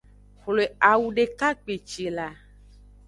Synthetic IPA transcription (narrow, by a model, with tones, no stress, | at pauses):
xle˨a˨wu˨ɖe˨ka˦k͡pe˨t͡ʃe˨la˨